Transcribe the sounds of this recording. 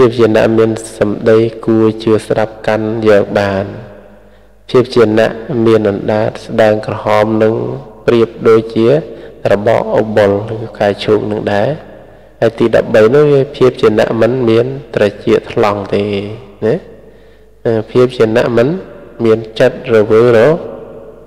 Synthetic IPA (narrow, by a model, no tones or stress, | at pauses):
pʰiəp̚t͡ɕiəna̰ʔmiənsɑmɗəjkuət͡ɕɨəsɗap̚kanjɔːk̚ɓaːn | pʰiəp̚t͡ɕiəna̰ʔmiənʔɑnɗaːt̪̚sɗaəŋkrɔhɑːmnɨŋpriəp̚ɗoːc̚t͡ɕiərɔɓɑ̰ːʔʔoɓolrɨkaɛt͡ɕʰuːk̚nɨŋɗaɛ | haəjt̪iːɗɑ̰p̚ɓəjnʊŋʋiəpʰiəp̚t͡ɕiəna̰ʔmɨnmiənt̪rət͡ɕiəʔt̪ʰlɑŋt̪eːnɛ | əːpʰiəp̚t͡ɕiəna̰ʔmɨnmiənt͡ɕət̪̚rɔʋɨːrɔ